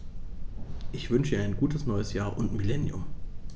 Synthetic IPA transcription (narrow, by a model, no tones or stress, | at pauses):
ʔɪçv̥ʏnʃəiːaɪnɡuːtʰəsnɔʏəsjaːɐʔʊntmilɛnjʊ̰m